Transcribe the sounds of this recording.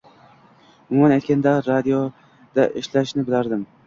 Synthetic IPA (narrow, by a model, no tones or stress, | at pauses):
ʊmʊmanajt̪kʲand̪aɾad̪ijo | d̪̥aʔɪʃlaʃnɪbɪlaɾd̪ɪm